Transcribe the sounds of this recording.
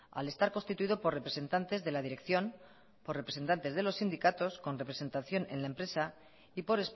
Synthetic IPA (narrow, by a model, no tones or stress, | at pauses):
a̰le̞st̪aɾkonst̪it̪uiðo̞po̞re̞pɾe̞se̞nt̪ant̪e̞zðe̞laðiɾe̞kθjo̞n | po̞repɾe̞se̞nt̪ant̪e̞zðe̞lo̞sːind̪ikat̪o̞sko̞nrepɾe̞se̞nt̪aθjo̞nẽ̞̰nlaempɾe̞sa | ipo̞ɾe̞s